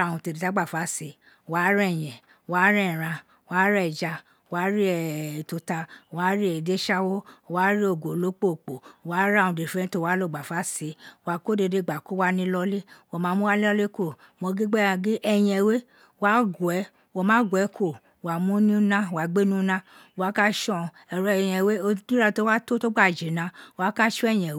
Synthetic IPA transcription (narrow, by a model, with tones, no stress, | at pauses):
ũ˧te˧˨di˨ta˨˦ɡ͡ba˦˨fa˨˦se˨˦ | wa˨˦ɾɛ˦˨j̃ɛ̃˨ | wa˨˦ɾɛ˦˨ɾã˧˨ | wa˨˦ɾɛ˦˨d͡ʒa˧˨ | wa˨˦ɾi˦ɛ˨to˧ta˧˨wa˨˦ɾi˦ɛ˨de˨˦ʃa˦wo˦˨wa˨˦ɾi˦o˨ɡo˨lo˨˦k͡po˦˨k͡po˨wa˨˦ɾũ˧de˨fɛ̃˨˦to˦˨wa˨˦lo˦˨ɡ͡ba˨fa˨˦se˨˦wa˨˧ko˦de˧de˧˦˨ɡ͡ba˨ko˦wa˦nĩ˦lɔ˧le˦wo˨mãː˨˧mũ˦wa˦le˦ɔ˦le˦ko˦˨ | mõ˧ɡi˦ɡ͡bɛ˦ã˧ɡi˦ʔɛ˧˨j̃ɛ̃˧˨we˦ | wa˦ɡu˨ɛ˨˦ | wo˧˨mãː˨˦ɡwɛ˨˦kʰo˦˨ | wa˨mũ˦nĩ˦nã˦˨wa˨ɡ͡be˦nũ˦nã˦o˨wa˦ka˦ʃɔ̃˦˨ | ɛ˨ɾɔ˨˦˧j̃ɛ̃˧˨we˦o˧dĩ˦ɾa˦˧˨to˦wa˦to˦to˦ɡ͡ba˦˨d͡ʒe˨˦nã˧˦o˨wa˨˦ka˦ʃɔ˦ɛ˦˨j̃ɛ̃˨˦